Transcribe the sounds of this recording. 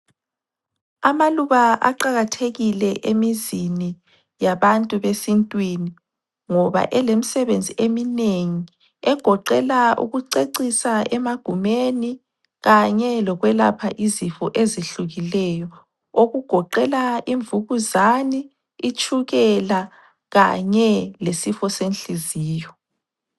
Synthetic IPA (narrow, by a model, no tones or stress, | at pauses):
amaluβaʔa̰ǃaɣatʰeɣilɛʔemizini | jaβantʼuβesintʼwini | ŋɔβa̰ʔɛlemisɛβend͡zʱiʔemineŋi | ɛɡ̥ʱɔǃɛlaṵɣuǀeǀisaɛmaɡ̥ʱumeni | ɣaɲɛlɔɣwɛla̰pʰaʔizifɔʔeziɬuɣilɛjɔ | oɣuɡ̥ʱɔǃɛlaiɱvuɣuzani | it͡ʃʼʰuɣɛla | ɣaɲɛlesifɔsenɬiziːjɔ